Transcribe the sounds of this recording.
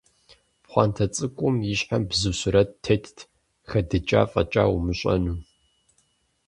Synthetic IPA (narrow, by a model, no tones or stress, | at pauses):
pχʷɑːntʰɐt͡sʼɨkʷʼʊmjɪɕħambzɨɕɪɾɐtʰːetʰtʰ | xɐdɨt͡ʃʼa̰ːfʼɐ̰t͡ʃʼa̰ːwʊmɨɕʼɐ̰nuː